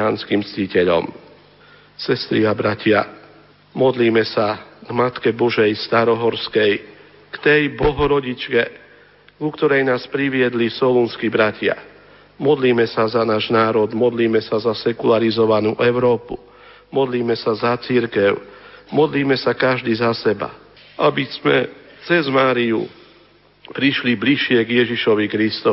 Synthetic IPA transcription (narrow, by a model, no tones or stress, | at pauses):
aːnskimt͡scicɛʎɔ̰m | sɛst̪ɾiabɾacɪa | mɔd̪liːmɛsaɡmat̪kɛbɔʒɛjst̪aɾɔɦɔɾskɛj | kt̪ɛjbɔɦɔɾɔɟit͡ʃkɛ | ɡukt̪ɔɾɛjnaːspɾiʋɪɛd̪lisɔlunskibɾacɪa̰ | mɔd̪liːmɛsazanaːʒnaːɾɔd̪mɔd̪liːmɛsazasɛkulaɾizɔʋanṵːʔɛʊɾɔːpṵ | mɔd̪liːmɛsazat͡siɾkɛʊmɔd̪liːmɛsakaʒd̪iːzasɛba̰ | ʔabizmɛ̰ | t͡sɛzmaːɾiṵ | pɾiʃlibliʃɪɛɡjɛʒiʃɔʋikɾist̪ɔ